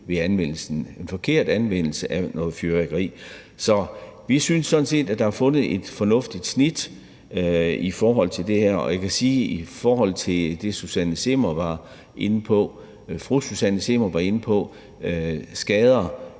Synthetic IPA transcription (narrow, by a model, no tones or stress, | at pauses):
ʋe̝ænʋen̰l̩sn̩e̝nfɒ̽kʰe̝ɐ̰d̥ænʋen̰l̩səʔænɔ̽ːð̩ˠfjøʁeɡ̥ʁḭː | sɒ̽ʋisynsːɒ̽d̥n̩se̝̰ːd̥æ̥d̥ɑ̈hɑfɔ̽nð̩ˠe̝d̥fɒ̽nɔ̽fd̥id̥snid̥ | ifɒːɦɒ̽l̰t͡sʰe̝ld̥e̝hæɐ̰ɒ̽jɑkʰæsiːifɒːɦɒ̽l̰t͡sʰe̝d̥e̝susænəse̝mɐʋɑ̈ | ʔe̝n̩pʰɒ̽ | fʁu̥susænəse̝mɐʋɑ̈e̝npʰɒ̽ | sɡ̥ɛːð̞ˠɐ